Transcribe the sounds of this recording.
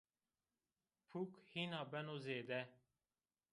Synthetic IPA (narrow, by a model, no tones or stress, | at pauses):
pʰukhinabɛnozeːd̪ɛ